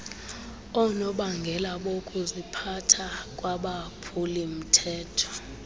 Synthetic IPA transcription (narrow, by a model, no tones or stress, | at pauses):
ɔnɔɓaŋɡʱɛlaɓokʼuzipʰatʰakʼwaɓapʰulim̩tʰɛːtʰɔ̥